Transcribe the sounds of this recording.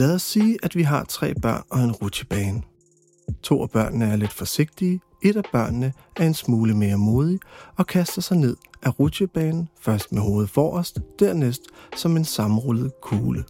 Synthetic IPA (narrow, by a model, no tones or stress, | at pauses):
læːðˠɒ̽sːiːʔæd̥ʋiɦɑ̈t͡sʰʁɛ̰ːb̥ɶɐ̰nɒ̽e̝nʁud̥ɕəb̥ɛːn | t͡sʰo̝̰ːæb̥ɶɐ̰nnəæɐle̝d̥fɒ̽se̝ɡ̥̚d̥iː | e̝d̥æb̥ɶɐ̰nnə | æɐe̝nsmuːləme̝ːɐmo̝ːð̞ˠiɒ̽kʰæsd̥ɐsɑ̈ɪne̝ð̞̰ˠʔæʁud̥ɕəb̥ɛːnn̩fɶɐsd̥meɦo̝ːð̩ˠfɒ̰ːɒsd̥d̥æɐ̰nesd̥sɒ̽me̝nsɑ̈m̩ʁɔlð̞̩ˠkʰuːlə